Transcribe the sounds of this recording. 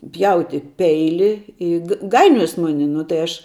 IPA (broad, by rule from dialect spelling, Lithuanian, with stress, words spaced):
ˈpʲjɛʊtʲɪ ˈpʲɛɪlʲɪ ˈɪ k ˈɡɐɪnʲoːjoːs ˈmʊnʲɪ nʊ tɐɪ ˈɐʃ